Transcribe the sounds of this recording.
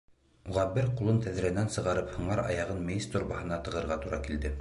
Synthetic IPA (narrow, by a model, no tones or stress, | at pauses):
uʁɑbɘɾqulˠɤnt̪æðɾænænsɤ̆ʁɑɾɤphŏɴɑɾɑ̰jɑʁɤnmejist̪uɾbɑhɤ̆nɑt̪ɤ̆ʁɤ̆ɾʁɑt̪uɾɑkild̪ɘ